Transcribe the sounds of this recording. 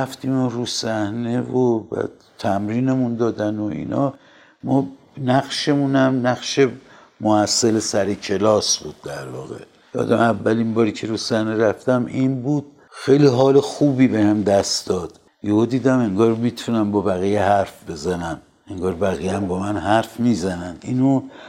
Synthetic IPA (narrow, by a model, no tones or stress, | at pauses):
æft̪iːmoɾusæhnevovæ̰ | t̪ʰæmɾiːnemund̪ɒːd̪ænoḭːnʔɒ̰ː | mɒː | næɣʃe̞munæmnæɣʃe̞ | mohæsːelesæɾecʰe̞lɒːsbuːd̪̚ːæɾvɒːɣe̞̰ | jɒ̰ːd̪æmævːælinbɒːɾiːcʰe̞ɾusæneɾæft̪æminbuːd̪̥̚ | xejliːɦɒːlexuːbiːbehæmd̪æst̪d̪ɒːd̪̥ | johod̪iːd̪æme̞ŋɡɒːɾmiːt̪ʰunæmbɒːbæɣijehæɾfbe̞zænæm | e̞ŋɡɒːɾbæɣijæmbɒːmænɦæɾfmiːzænænd̪iːno